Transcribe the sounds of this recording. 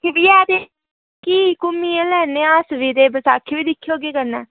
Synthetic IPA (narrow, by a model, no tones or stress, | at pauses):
kɪʋiːɛːd̪eː | kiːkʊmːiːẽlɛːneːaːsʋiːd̪eːbəsaːkʰːeːʋiːd̪ɪkʰːeoːɡeːkəɾnɛː